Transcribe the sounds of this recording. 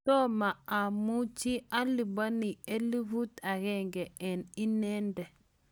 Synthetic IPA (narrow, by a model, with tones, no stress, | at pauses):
tɔ˦ma˨a˨mu˦t͡ʃi˦a˦li˨ba˦ni˨e˦li˦vu˦ta˨ɡɛ˦ŋɡɛ˨ɛ˨ni˦nɛ˦ndɛ˨